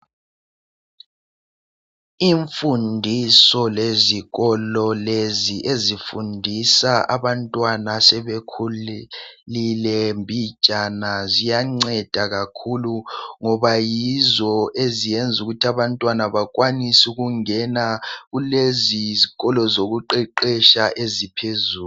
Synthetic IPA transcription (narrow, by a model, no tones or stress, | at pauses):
iɱfundʱisɔleziɣɔlɔleziʔezifundʱisaa̰βantʼwanasɛβekʰu | lilɛmbʱit͡ʃʼanazijaŋ͡ǀɛd̥ʱaɣakʰuluŋɔβajizɔʔezijɛnd͡zʱuɣutʰiaβantʼwanaβak̬ʼwanisuɣuŋɛnaɣuleziziɣɔlɔzoɣuǃɛǃɛʃaʔezipʰezuː